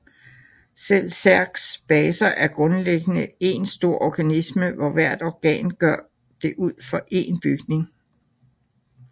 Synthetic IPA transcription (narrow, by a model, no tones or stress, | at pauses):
sel̰sæɐɡ̥sb̥ɛːsɐʔæɐɡ̥ʁɔ̽nleɡ̥ənəe̝nsd̥o̝ɐ̰ʔɒɡ̥ænisməʋɒʋæɐ̰d̥ɒɡ̥ɛ̰ːnɡ̥ɶɐ̰ | d̥e̝ʔuð̰ˠfɒ̽ʔe̝nb̥yɡ̥ne̝ŋ